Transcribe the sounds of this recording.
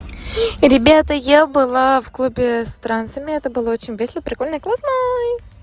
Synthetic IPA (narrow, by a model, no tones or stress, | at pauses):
ɾʲɪbʲat̪əjabɨlˠafklˠubʲɛst̪ɾant̪səmʲɪɛt̪əbɨlˠaot͡ʃɪnʲvʲesʲlˠəpɾʲɪkolʲnəklˠasnə